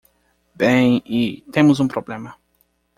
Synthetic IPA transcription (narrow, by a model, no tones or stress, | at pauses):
bẽj̃it̪ẽmʊzũpɾoblẽmɐ